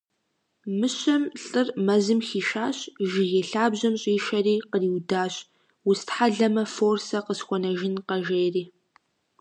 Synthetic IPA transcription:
mɨɕɐmɬʼɨrmɐzɨmxiːʃaːɕʒɪɣeɬaːbʑɐmɕʼiːʃɐriːqəriːwdaːɕ | wʊstħaɮɐmɐfoːrsɐqəsxʷɔnɐʒɪnqɐʒeːriː

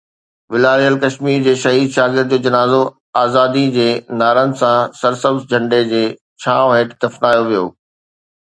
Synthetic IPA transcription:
ʋɪlaːɾijəlkɐʃmiːɾd͡ʑeːʃɐɦiːd̪ʃaːɡɪɾd̪̚d͡ʑoːd͡ʑɐnaːzo | aːzaːd̪id͡ʑeːnaːɾənɪ̆sãsɐɾsəbsd͡ʑʱɐ̃ɳɖed͡ʑeː | t͡ɕʰaːɦeːʈd̪ɐfnaːjoʋijo̰ː

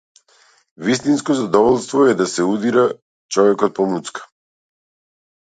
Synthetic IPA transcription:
vist̪inskɔzad̪ɔvɔlˠst̪vɔɛd̪asɛud̪iɾa | t͡ʃɔvɛkɔt̪̚pɔmut̪skḁ

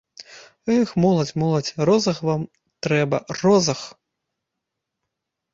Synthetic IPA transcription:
ɛxmɔlˠɐt͡sʲmɔlˠɐt͡sʲrɔzɐxvam | t̪ɾɛbɐ̰rɔzɐx

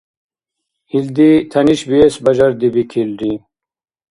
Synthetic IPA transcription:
ild̪it̪ʰɐniɕbiesbɐd͡ʑɐɾd̪ibikʰilɖi

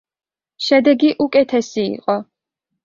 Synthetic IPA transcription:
ʃɛd̪ɛɡiʔukʼɛt̪ʰɛsḭːqʼɔ

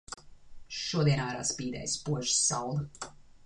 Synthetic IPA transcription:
ʃuɔd̪iɛnaːɾa̰ːspiːd̪ɛ̰jspuɔʒi̥sːɑwlˠ

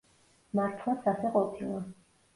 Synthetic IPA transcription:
maɾt̪ʰlasasɛqʼɔpʰilˠa

